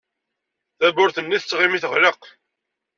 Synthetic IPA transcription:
θæbʊɾθənːiθət͡sːʁimiθəʁləq

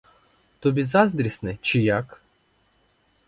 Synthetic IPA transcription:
t̪ɔbʲizɑzd̪ɾʲisnɪt͡ʃɪjak

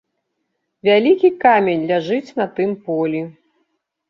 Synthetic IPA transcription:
vʲalʲikʲikamʲenʲlʲaʐɨt͡sʲnɐt̪ɨmpɔlʲi

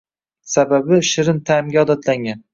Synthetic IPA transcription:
sababɪʃɪɾɪnt̪ʰaɪmɡʲaɒd̪at̪ʰlaŋʲan

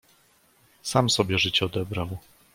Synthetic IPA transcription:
samsɔbʲjɛʐɘt͡ɕɛɔd̪ɛbɾaw

